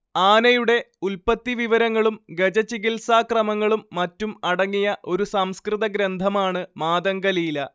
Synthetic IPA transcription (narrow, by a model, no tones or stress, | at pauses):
aːnɐjuɽe̞ | ulpɐt̪ːiʋiʋɐɾɐŋːɐɭumɡed͡ʑɐt͡ɕiɣilsaːkrɐmɐŋːɐɭumːɐtːumɐɽɐŋːijɐʔo̞ɾusɐmskrɨðɐɡɾend̪ʱɐmaːɳɨmaːðɐŋɡɐliːlɐ